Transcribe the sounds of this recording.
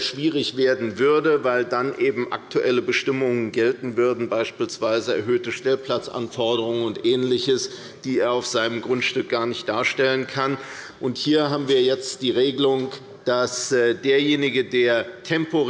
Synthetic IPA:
ʃv̥iːʁɪçv̥eːɐdn̩vʏɐdəvaɪldanʔeːbm̩ʔa̰k̚tʰuʔɛləbəʃtɪmʊŋənɡɛltn̩vʏɐdn̩baɪʃpiːlsv̥aɪzəɛ̰ɐɦøːtəʃtɛlpl̥at͡sʔa̰nfɔɐdəʁ̞ʊŋənʊntʔɛːnlɪçəs | d̥iːeːɐaʊfz̥aɪnəmɡʁʊntʃtʏk̚ɡ̥aːɐnɪçt̚d̥aːɐʃtɛlənkʰan | ʔʊnthiːɐɦaːbm̩viːɐjɛt͡std̥iːʁeːɡəlʊŋ | d̥asdeːɐjeːnɪɡədeːɐtʰɛmpo

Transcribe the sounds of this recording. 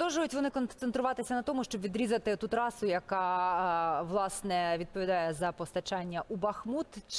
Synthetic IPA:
d̪ɔwʒʊjʊtʲʋɔnɪkɔnsent̪ɾʊʋɑt̪ɪsʲɐnɐt̪ɔmʊʃt͡ʃɔbʋʲid̪ɾʲizɐt̪ɪt̪ut̪ɾɑsʊjɐkɑ | ʋlˠɑsnɛʋʲid̪̚pɔʋʲid̪ɑjɛzɐpɔst̪ɐt͡ʃɑnʲːɐʔubɐxmut̪t͡ʃ

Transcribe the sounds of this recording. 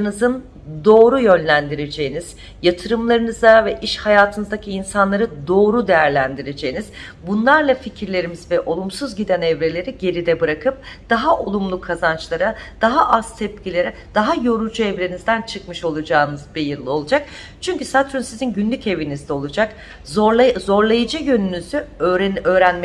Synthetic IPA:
nɯzɯn | d̪o̞ːɾujø̞nlʲænd̪iɾed͡ʒe̞jiniz̥ | jat̪ʰɯɾɯmlˠaɾɯnɯzavɛʔiʃhajaːt̪ʰɯnɯzd̪acʰiːnsanlˠaɾɯd̪o̞ːɾud̪ejæɾlʲænd̪iɾe̞d͡ʒe̞jiniz̥ | bunlˠaɾlˠaficʰiɾlʲe̞ɾimizvɛʔo̞lˠumsuzɟid̪ɛnɛvɾe̞lʲe̞ɾiɟe̞ɾid̪ɛbɯɾakʰɯp̚d̪̥aɦaʔo̞lˠumlˠukʰazant͡ʃlˠaɾad̪̥aɦaʔaz̥t̪ʰɛp̚cilʲe̞ɾɛ | d̪̥aɦajo̞ɾud͡ʒuɛvɾe̞nizd̪ænt͡ʃʰɯkmɯʃo̞lˠud͡ʒaːɯnɯzbijɯɾlˠɯo̞lˠud͡ʒak̚ | t͡ʃʰyɲcysat̪ɾynsizinɟynlʲyce̞vinizd̪ɛo̞lˠud͡ʒak | zo̞ɾlˠajɯd͡ʒɯjø̞nynyzyøɾøːɾænmɛ

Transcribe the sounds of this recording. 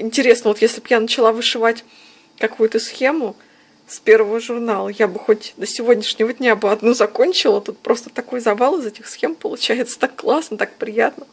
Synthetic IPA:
ɪnʲtʲɪɾʲe̞snəvojesʲlʲɪbjanət͡ɕɪlˠavɨʂɨvatʲ | kɐkujʊt̪əsxʲe̞mʊ | spʲe̞rvəvəʐʊrnalˠəjabɨxotʲd̪əsʲɪvo̞dʲnʲɪʂnʲɪvədʲnʲabɨɐd̪nuzɐko̞nʲt͡ɕɪlˠət̪ut̪̚pɾo̞st̪ə̥t̪ɐko̞jzɐvalˠɨzɛtʲɪxsxʲe̞mpəlˠʊt͡ɕæjɪt̪sə̥t̪akːlˠasnət̪ak̚pɾʲɪjat̪nə

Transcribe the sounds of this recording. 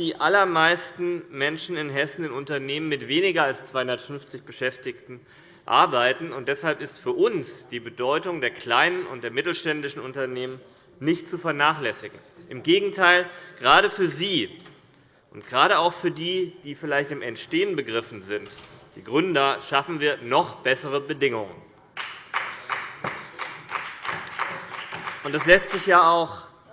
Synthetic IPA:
d̥iːʔalɐmaɪstn̩mɛnʃn̩ɪnɦɛsn̩ɪnʊntɐneːmənmɪtv̥eːnɪɡɐalst͡sv̥aɪhʊndɐtfʏnft͡sɪçb̥əʃɛftɪçtn̩ | ʔa̰ɐbaɪtn̩ʊnt̚d̥ɛshalpɪstfyːɐʔʊnsd̥iːbədɔʏtʊŋdeːɐkl̥aɪnənʊ̰ntd̥eːɐmɪtl̩ʃtɛndɪʃn̩ʊntɐneːmən | nɪçtt͡sufɛɐnaːχlɛsɪɡŋ̩ʔɪmɡeːɡŋ̩tʰaɪlɡ̥ʁaːɾəfyːɐziː | ʔʊntɡ̥ʁaːɾəaʊxfyːɐdiːd̥iːfɪlaɪçtɪmɛ̰ntʃteːənbəɡʁɪfn̩zɪntd̥iːɡʁʏndɐʃafn̩viːɐnɔχb̥ɛsəʁəbədɪŋʊŋə̰n | ʔʊntd̥aslɛstz̥ɪçjaːaʊx

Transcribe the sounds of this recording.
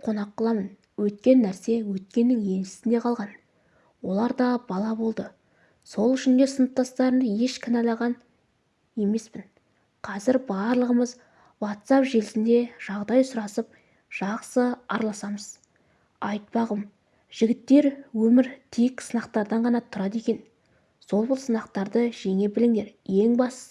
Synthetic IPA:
qʰo̞nɑqːɑlˠɑmən | wɵt̪kʲe̞nːæɾse̞wɵt̪̚kʲe̞nːɪŋje̞nʃɪ̥sɪnd̪e̞qʰɑlˠʁɑn | wo̞lˠɑɾd̪ɑbɑlˠɑbo̞lˠd̪ə | so̞lˠʏʃɪnd̪e̞sənəp̚t̪ɑst̪ɑɾənje̞ʃkʲʰɪnɑlˠɑʁɑn | je̞me̞spɪn | qʰɑzɪɾbɑɾlˠəʁəməz | wot̪sɑpʒe̞lɪsɪnd̪e̞ʒ̥ɑʁd̪ɑjsʊɾɑsəp̚ | ʒ̥ɑqsəɑɾlˠɑsɑməz | ɑjt̪̚pɑʁəm | ʒ̥ɪɡʲɪt̪ːe̞ɾwɵmɪɾt̪ʰejksənɑqt̪ɑɾd̪ɑɴʁɑnɑt̪ʰʊɾɑd̪e̞kʲe̞n | so̞lˠbʊlˠsənɑqt̪ɑɾd̪əʒeŋe̞bɪlɪŋd̪e̞ɾje̞ŋbɑs

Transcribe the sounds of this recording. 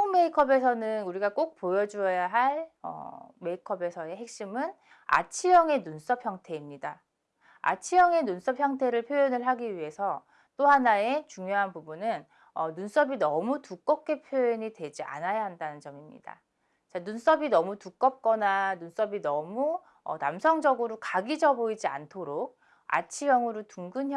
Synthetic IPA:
oŋme̞ikʰʌbe̞sʰʌnɯnuɾiɡak͈ok̚pojʌd͡ʑuʌjaɦaɭʌ̰me̞ikʰʌbe̞sʰʌe̞ɦe̞k̚ɕ͈imɯn | a̰t͡ɕʰijʌŋe̞nuns͈ʌpʰjʌŋtʰe̞imɲida | a̰t͡ɕʰijʌŋe̞nuns͈ʌpʰçjʌŋtʰe̞ɾɯɭpʰjojʌnɯɭɦaɡiɥiɦe̞sʰʌ | t͈ohanae̞t͡ɕuŋjoɦanpubunɯn | ʌnuns͈ʌbinʌmutuk͈ʌp̚k͈e̞pʰjojʌɲidwe̞d͡ʑiʔa̰najaɦandanɯnt͡ɕʌmimɲḭda̰ | t͡ɕanuns͈ʌbinʌmutuk͈ʌp̚k͈ʌnanuns͈ʌbinʌmu | ʌ̰namsʰʌŋd͡ʑʌɡɯɾokaɡid͡ʑʌboid͡ʑia̰ntʰoɾok̚ | a̰t͡ɕʰijʌŋɯɾotuŋɡɯn

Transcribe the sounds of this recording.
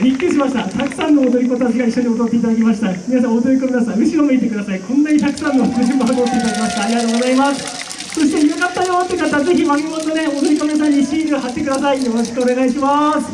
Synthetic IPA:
ɾʲikʲːɯɕimaɕi̥t̪at̪akɯ̟̥sãnːo̞ːd̪oɾʲikot̪ak̬ʲiɡaiɕːo̞ɲ̟iot̪ot̪ːe̞it̪ad̪akʲimaɕ̬i̥t̪amʲinas̬ãod̪oɾʲikomʲinasãɯ̟ɕiɾomit̪e̞kɯd̪asaikʰõnːaɲit̪akɯ̟̥sãnːokɯʑĩmbaɦamot̪ːe̞it̪ad̪akʲimaɕi̥t̪aːɾʲiɡat̪oːɣɡo̞zaimasɨ̥ | so̞ɕi̥t̪eiokat̪ːaɲaβat̪ːekɯ̟d̪at̪aze̞çimamʲimond̪one̞od̪o̞ɾikomʲias̬aɲːiɕiːzɨɦat̪ːe̞kɯd̪asaijo̞ɾo̞ɕi̥kɯ̟o̞ne̞ɣaiɕimasɨ̥

